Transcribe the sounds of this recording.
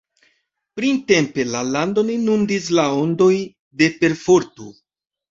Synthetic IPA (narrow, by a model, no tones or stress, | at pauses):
pɾinte̞mpe̞lalandoninundis̬lao̞ndo̞j | de̞pe̞ɾfoɾtu